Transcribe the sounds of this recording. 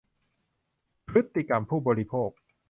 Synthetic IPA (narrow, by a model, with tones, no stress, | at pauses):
pʰɾɯ˦˥t̪ːi˧ka˧mpʰuː˥˩bɔː˧ɾi˦˧pʰoː˥˩k̚